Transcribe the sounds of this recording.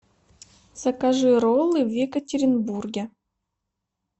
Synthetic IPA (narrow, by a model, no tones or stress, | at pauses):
z̥ɐkaʐɨɾolˠːɨwʲekətʲeɾʲɪnburɡʲe